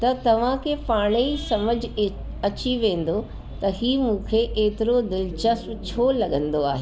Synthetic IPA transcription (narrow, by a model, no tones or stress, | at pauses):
t̪ɐt̪ɐʋ̤ãkʰepaːɽ̃eisɐməd͡ʑ | ɐt͡ɕiʋẽːn̆d̪o | t̪ɐɦiːmũːkʰeʔeːt̪ɪɾod̪ɪlt͡ɕɐsmt͡ɕʰoːlɐɠə̃nd̪oaːɦe